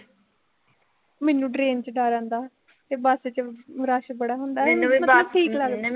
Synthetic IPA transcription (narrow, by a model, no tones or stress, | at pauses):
mɛːnũːɖɾeːnt͡ʃɖaːɾãːnd̪aː | t̪eːbaːseːt͡ʃəɾaːʃbəɽaːɦʊnd̪aːɛmətləbʈʰiːkləɡ